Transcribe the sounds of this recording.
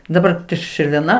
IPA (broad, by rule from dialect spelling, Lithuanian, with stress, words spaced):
dɐˈbɐr tʲɪ ʃʲɪrʲʋʲeːˈnɐ